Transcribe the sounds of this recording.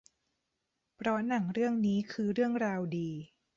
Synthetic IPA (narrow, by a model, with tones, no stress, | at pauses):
pʰɾɔ˦˥na˩˦ŋɾɯ˥˩əŋniː˦˥kʰɯː˧ɾɯ˥˩əŋɾaː˧wdiː˧